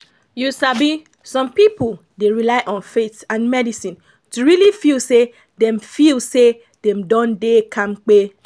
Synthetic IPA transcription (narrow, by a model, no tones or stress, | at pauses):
jusabi | sɔ̃mpipol | deɹilaɪʔɔ̃nfetãnmɛdisĩn | tuɹilifilse | dɛ̃mfilse | dɛ̃mdɔ̃ndekʰãmk͡pe